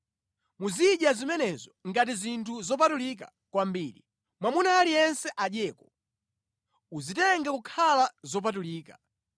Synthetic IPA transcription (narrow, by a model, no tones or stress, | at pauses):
muziɗjazimɛnɛzɔŋɡat̬izintʰuzɔp̬atulik̬a̰ | kwambiːlḭ | mwamunaːlijɛnsɛʔaɗjɛːkɔ | uzitɛŋɡakukʰalazɔp̬at̬uliːkḁ